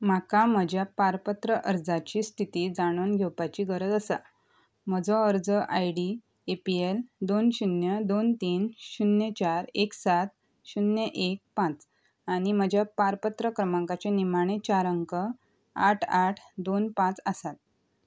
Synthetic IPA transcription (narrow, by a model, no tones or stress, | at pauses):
m̤akam̤əd͡ʑʱjapaɾpət̪ɾəʔəɾd͡zat͡ɕiːst̪ʰit̪iːd͡zaɽ̃onɡʱɛwpat͡ɕiːɡəɾəd͡z̪əsa̰ | m̤əd͡zɔəɾd͡zəʔajɽi | epield̪onɕunjəd̪ont̪iːnɕunjət͡ɕaɾeksat̪̚ | ɕunjəʔek̚pãt͡s | aɽ̃im̤əd͡ʑʱjapaɾpət̪ɾəkɾəmãŋkat͡ɕenimaɽ̃et͡ɕaɾəŋkə | aʈʰaʈʰd̪onpãt͡səsat̪̚